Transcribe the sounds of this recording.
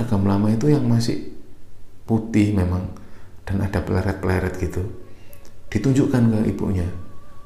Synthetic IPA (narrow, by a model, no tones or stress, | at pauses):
aɡ̥a̤mlamait̪ujaŋmasɪ̰h | put̪ɪhmemaŋd̥ana̰d̥apla̰ɾɛt̪̚plaɾɛt̪̚ɡ̥it̪u | d̥it̪uɲd͡ʒuʔkankəḭb̥ṵʔɲa